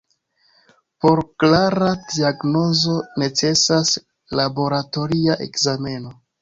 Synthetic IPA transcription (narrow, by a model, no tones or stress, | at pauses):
po̞ɾklaɾadiaɡno̞zo̞ne̞t͡se̞sas | labo̞ɾato̞ɾiaʔe̞̰kzame̞no̞